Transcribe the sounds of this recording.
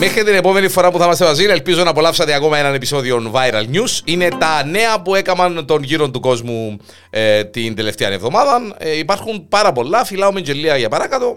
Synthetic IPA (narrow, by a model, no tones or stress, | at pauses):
me̞xɾit̪ine̞po̞me̞nifo̞ɾɐpuθɐmɐst̪emɐzinelpizo̞nɐpo̞lɐfsɐt̪eɐko̞mɐenɐne̞piso̞ðio̞nvɐjɾɐlɲusine̞t̪ɐne̞ɐpue̞kɐmɐnt̪o̞nʝiɾo̞nt̪uko̞zmu | et̪ind̪e̞le̞ft̪eɐne̞vðo̞mɐðɐneipɐɾxunpɐɾɐpo̞lːɐfilɐomeɲd͡ʒelːiɐʝɐpɐɾɐkɐt̪o̞